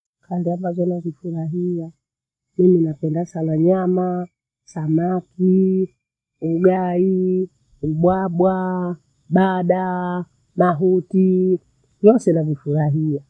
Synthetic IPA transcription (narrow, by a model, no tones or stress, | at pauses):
kʰandiambazɔnavifuɾaɦia | miminapɛndasanaɲama | samaki | uɡai | uɓwaɓwa | ɓaɗa | maɦuti | jɔsɛnavifuɾaɦia